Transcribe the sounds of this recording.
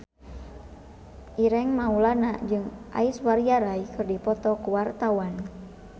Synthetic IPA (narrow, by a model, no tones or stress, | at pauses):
ʔiɾɛŋmaulanad͡ʒɨŋʔa̰iswaɾiaɾaikɨrdipɔt̪ɔkuwart̪awan